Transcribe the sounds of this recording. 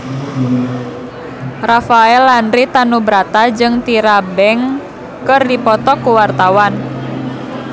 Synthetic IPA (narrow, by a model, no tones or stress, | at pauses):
rafaɛlːanɾit̪anubɾat̪ad͡ʒɨŋt̪iɾabɛŋ | kɨrdipɔt̪ɔkːuwart̪awan